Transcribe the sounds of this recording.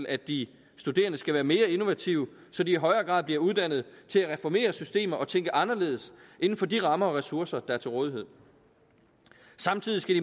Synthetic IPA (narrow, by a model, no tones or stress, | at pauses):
læ̥d̥i | sd̥ud̥e̝̰ːɐnəsɡ̥æʋæːɐme̝ːɐe̝no̝ʋæt͡sʰiʊ | sɒ̽d̥iːɦɒ̽ɪɐːɡ̥ʁɑ̰̈ðˠb̥liɐuð̞ˠd̥æn̰ð̞̩ˠt͡sʰe̝læʁɛfɒme̝̰ːɐsysd̥e̝̰ːmɐʔɒ̽t͡sʰeŋɡ̥əʔɑ̈nɐle̝̰ːðˠəsʔe̝n̩fɒ̽d̥iʁɑ̈mɐɒ̽ʁɛsuɐsɐd̥ɑ̈æɐt͡sʰe̝lʁɔːðˠiɦe̝ð̰ˠ | sɑ̈mt͡sʰið̰ˠisɡ̥ædi